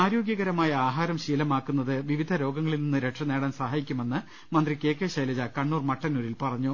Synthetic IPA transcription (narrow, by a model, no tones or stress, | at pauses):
aːɾo̞ːɡjɐɣɐɾɐmaːjɐaːɦaːɾɐmɕiːlɐmaːkːunːɐðɨʋiʋid̪ʱɐɾo̞ːɡɐŋːɐɭilninːɨɾe̞ʈʂɐneːɽaːnsɐɦaːjikʲːume̞nːɨ | mɐnd̪rike̞ːkːeɕɐjlɐd͡ʑɐkɐɳːuːrmɐʈːɐnuɾilpɐrɐɲːu